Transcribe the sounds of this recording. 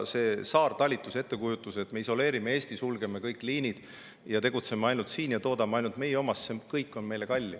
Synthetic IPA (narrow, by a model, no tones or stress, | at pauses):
se̞ːsɑːrt̪ɑlʲit̪ːˑuse̞t̪ːe̞kujut̪ːˑuse̞t̪ːme̞iso̞le̞ːɾimeeːsʲt̪isulɡ̥e̞mekɤjkːˑliːnid̪̥ | jɑt̪e̞ɡ̥ut̪se̞meɑjnult̪siːnjɑt̪o̞ːd̪ɑmeɑjnult̪me̞jeo̞mɑssekɤjkːˑo̞nme̞jle̞kɑlʲːi